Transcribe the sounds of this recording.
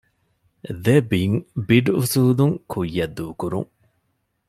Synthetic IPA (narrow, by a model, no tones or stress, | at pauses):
d̪ebiŋbiɖusuːluŋkʰujːɐd̪ːuːkuɾṵŋ